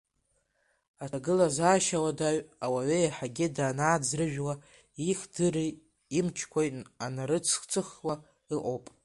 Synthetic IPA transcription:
atʰaɡɨlazaːʃawadaʕawaɥejaħaɡʲɪdaːnaːd͡zrɨʒᶣwa | iχdɨri | imt͡ʃʰkʷʰajtʼanaɾɨt͡sʰχt͡sʰʼɨχwa | iʔʷʼowpʼ

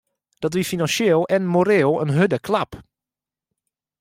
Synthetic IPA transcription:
d̥ɑtʋifinɑnʃeːlˠɛnmoɾeːlˠənɦødəklɑp

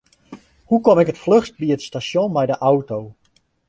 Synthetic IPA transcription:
hukɔmɪkətfløxst̚biətstasjõnmɛjdəʔawtow

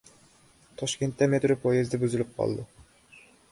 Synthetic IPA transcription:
t̪ʰɒʃkʲe̞nt̪ːæmet̪ɾopʰojɪzd̪abyzɪlɪp̚qʰɒ̰lˠd̪ɪ

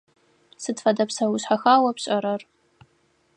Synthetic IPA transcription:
sɨdfɐdɐpsɐwʊɕħaxaːwɐpɕʼɐɾɐr

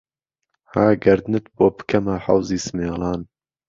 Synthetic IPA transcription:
haːɡɐɾd̪nɨt̪̚boːbɨ̥kʰɐmaħa̰wziːsɨmeːlɑːn

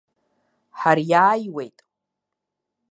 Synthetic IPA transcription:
ħarjaːjwe̞jtʼ

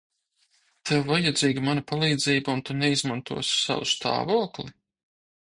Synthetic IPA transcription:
t̪ʰɛwvajad̪ziːɡamanapalˠiːd̪ziːbaunt̪unɛizmant̪ṵɔssa̰wust̪ʰa̰ːvuɔkli

